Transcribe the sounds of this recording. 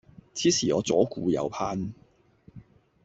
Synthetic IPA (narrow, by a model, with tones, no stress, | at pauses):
t͡sʰiː˨˥siː˨˩ɔː˨˧t͡sɔː˨˥kuː˧jɐ̰˨˧wpʰaː˥n